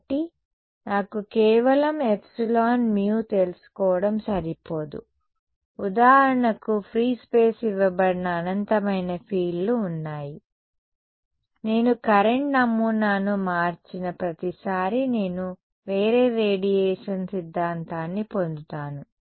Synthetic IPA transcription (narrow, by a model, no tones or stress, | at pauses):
ʈi | naːkukɛːʋɐlɐmepsilaːnmiːwut̪e̞lusu̥kɔːʋɐɽɐmsɐɾipoːd̪ṵ | ud̪aːɦɐɾɐɳɐkupʰɾiːspe̞ːsiʋːɐbɐɽinɐːnɐnt̪ɐmɐjnɐpʰiːlluːnːaːji | ne̞ːnukɐɾeɳʈnɐmːunanumaːɾt͡ʃinɐpɾɐt̪isaːɾine̞ːnu | ʋe̞ːɾeːɾeːɖijeːʂɐnsid̪ʱːaːnt̪aːnːipo̞nd̪ut̪aːnu